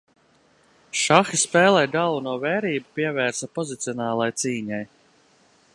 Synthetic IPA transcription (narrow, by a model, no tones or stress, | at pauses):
ʃaxispɛːlˠɛjd̪alˠunuɔvɛːɾiːbupiɛvɛːɾsapɔzit̪siɔnɑːlˠajt̪siːɲaj